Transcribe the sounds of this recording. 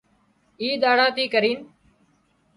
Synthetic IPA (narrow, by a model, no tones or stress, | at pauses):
iːd̪aːɽaːt̪iːkəɾiːn